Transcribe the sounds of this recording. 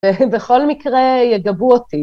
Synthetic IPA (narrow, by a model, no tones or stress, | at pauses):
ebeχo̞lmikʁejeɡabuoti